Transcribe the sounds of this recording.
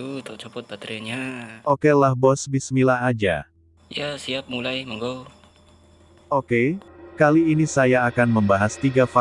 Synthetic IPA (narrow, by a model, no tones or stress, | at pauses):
ut̪ɔʔt͡ʃopɔt̪̚bat̪ɾianɲaʔokelahbɔsbismilaad͡ʒa̰ | jasiap̚mulajməŋɡow | okekaliːnisajaːkanməmbaɦast̪iɡafa